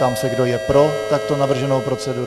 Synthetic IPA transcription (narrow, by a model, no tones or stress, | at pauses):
amsɛɡdo̞jɛpɾo̞t̪ak̚t̪onavr̩ʒɛnowpɾo̞t͡sɛduː